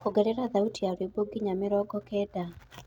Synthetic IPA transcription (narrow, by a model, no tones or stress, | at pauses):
koɡɛɾɛɾaðautiaɾweboɡiɲamɪɾɔɡɔkɛːda